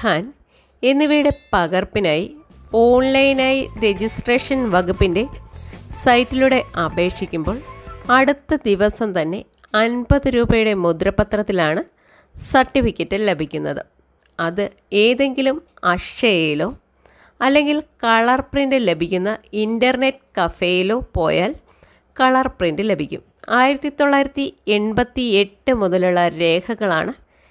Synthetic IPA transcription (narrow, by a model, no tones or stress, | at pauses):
aːn | e̞nːiʋɐjuɽe̞pɐɣɐrpːinaːji | o̞ːɳlɐjnaːjiɾe̞d͡ʑisʈreːʂɐnʋɐɡupːinde̞sɐjtːiluɽe̞ʔɐbe̞ːkʂikʲːumbo̞ːɭɐɽut̪ːɐd̪iʋɐsɐmt̪ɐnːe̞ | ɐnbɐðɨɾuːbɐjuɽe̞mud̪ɾɐpːɐt̪rɐt̪ːilaːɳɨ | sɐrʈːifikʲːɐtːɨlebʱikʲːunːɐðɨ̰ | ɐðɨ | eːðe̞ŋɡilumɐʂʂɐjejilo̞ː | ɐlːe̞ŋɡilkɐɭɐrprindɨle̞bʱikʲːunːɐindɐrne̞ʈːkɐfejilo̞ːpo̞̰ːjaːl | kɐɭɐrprindɨle̞bʱikʲːṵm | aːjiɾɐt̪ːit̪ːoɭːaːjiɾɐt̪ːie̞ɳbɐt̪ːie̞ʈːɨmuðɐluɭːɐɾe̞ːkʰɐɣɐɭa̰ːɳɨ